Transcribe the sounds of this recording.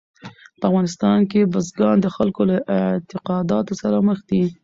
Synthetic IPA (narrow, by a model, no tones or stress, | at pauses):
pəafɣɑnɪst̪ɑnkebəzɡɑnd̪əxalkolaʔɪt̪ɪqɑd̪ɑt̪osaɾaməxd̪i